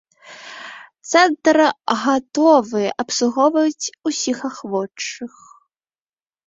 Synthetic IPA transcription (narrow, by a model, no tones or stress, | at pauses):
t̪sɛnt̪ɾɣat̪ɔvɨɛʔɐpsuɣɔvɐt͡sʲusʲixaxvɔt͡ʂːɨx